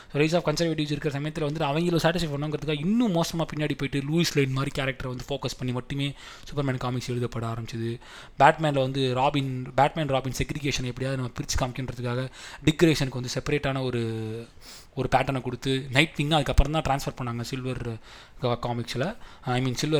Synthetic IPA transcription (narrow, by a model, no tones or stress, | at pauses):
soːɾɐɪsaːfkɐnsɐɾʋeːʈ̬ɪʋsɪɾɯkːɾɐsɐmɐjɐt̪ːɪlɐʋɐnd̪ɯɐʋɐŋɡɐɪlːosaːʈ̬ːɪs̬ɐɪpɐɳːõːŋɡɪɾɐðɯkːaːɣɐɪnːũmoːsɐmaːpɪnːjaːɽipoːjʈːɯluːislɐɪnmaːd̪ɾikaːɾɐk̚ʈɐɾʋɐnd̪ɯfoːkɐspɐɳːimɐʈːɯmeː | sʊpːɐɾmaːnkaːmɪksɛɻɯðɐpːɐɽɐaːɾɐmbɪt͡ʃːɐðɯ | baːʈmɛ̃ːnlɐʋɐnd̪ɯɾaːbɪnbaːʈ̚maːnɾaːbɪnsɛɡɾɪɡeːʂɐnɛpːɐɽɪjaːðɯnɐmːɐpɪɾɪt͡ʃːɯ̥kaːmkɪɳɾɐðɯkːaːɣɐɖɪkɾeːʂɐnɯkːɯʋɐnd̪ɯsɛpɐɾeːʈːaːnɐɔɾɯ | ɔɾɯpaːʈːɐɳɛkɔɽɯt̪ːɯnɐɪʈʋɪŋɡãɐðɯkːɐpːɾɐ̃t̪ãːʈɾaːnsfɐɾpɐɳːaːŋɡɐsɪlʋɐɾ | kkaːmɪksɪlɐɐɪmiːnsɪlʋɐ